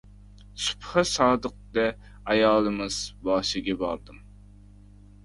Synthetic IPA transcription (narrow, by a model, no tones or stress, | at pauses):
su̥pχɨsɑːd̪əq̚d̪ɛ | ɑjɑːlˠɨmɨz̥bɑːʃɪɡʲɛbɑ̰ɾd̪ɨm